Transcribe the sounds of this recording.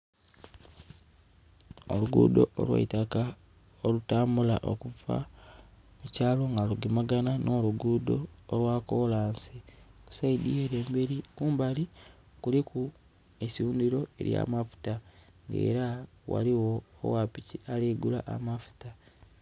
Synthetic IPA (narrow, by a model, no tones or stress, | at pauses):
o̰luɡṵːdo̞̰ʔo̰lwa̰itaka | olutaːmbulaʔo̰kuva̰ | mucaːlo̞ŋɡaluɡimaɡananʔo̞ːluɡudo̞̰ːlwaːko̞ːlaːnsiku̥saidieɾeːmbeɾikuːmbali | kuliku | esiuːndiɾo̞e̞̰ɾja̰mafu̥ta | ŋɡḛːɾa | wa̰liwo̞̰ːwapicialiɡulaʔa̰mafu̥ta